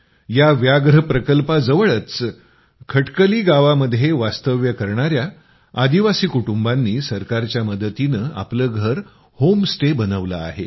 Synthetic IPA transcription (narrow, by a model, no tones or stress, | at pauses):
jaʋjaɡɾəpɾəkəlpad͡zəʋəɭət͡s | kʰəʈkəliːɡaʋaməd̪ʱːjeʋast̪əʋjəkəɾɳ̃aɾjaː | d̪iʋasiːkuʈumbanːiːsəɾkaɾt͡ɕjaməd̪ət̪inəːa̰pləːɡʱəɾ | homsʈebənəʋlaa̰ɦe